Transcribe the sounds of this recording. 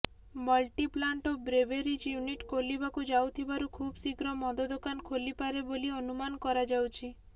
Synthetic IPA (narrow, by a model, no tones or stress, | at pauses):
mɔlʈiplaɳʈobɾeʋeɾid͡ʒjuniʈkolibakud͡ʒawt̪ʰibaɾukʰubsiɡɾɔmɔd̪ɔd̪okankʰolipaɾeboliɔnumankɔɾad͡ʒawt͡ʃʰi